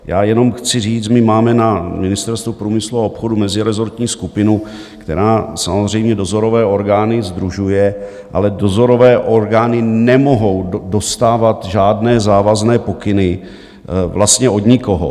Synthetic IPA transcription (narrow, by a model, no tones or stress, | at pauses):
ja̰ːjɛno̞mxt͡sɪriːt͡smɪmaːmɛnamɪnɪst̪ɛɾst̪vupɾuːmɪsluaopxo̞dumɛzɪɾɛzo̞ɾt̪ɲiːskupɪnu | kt̪ɛ̰ɾaːsamozr̝ɛjmɲɛdo̞zo̞ɾo̞vɛːo̞ɾɡaːnɪzd̪ɾuʒujɛ | ʔa̰lɛdo̞zo̞ɾo̞vɛːʔo̞ɾɡaːnɪnɛmo̞ɦo̞wdo̞st̪aːvat̪ʒaːdnɛːzaːvaznɛːpo̞kɪnɪ | vlast̪ɲɛo̞dɲɪko̞ɦo̰